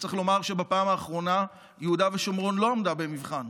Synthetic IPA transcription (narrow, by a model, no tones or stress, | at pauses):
t͡sʁeχlo̞maʁʃe̞bapaːmaːχʁo̞na | jeudaveʃomʁo̞nlo̞omdabe̞mivχan